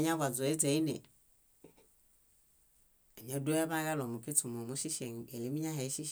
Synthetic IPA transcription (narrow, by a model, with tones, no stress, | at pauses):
ɲa˦va˨zɔ˨e˦d͡ze˨˦i˦nḛ˨ | a˨ɲ˨a˨˦do˦a˦βa˦ɣa˦lɔ˨mu˨ke˦tu˨mo˨mu˦ʃi˦ʃe˨ŋḛ˨le˨˦mi˦ɲa˦ɦɛ˨˦ʃi˦ʃ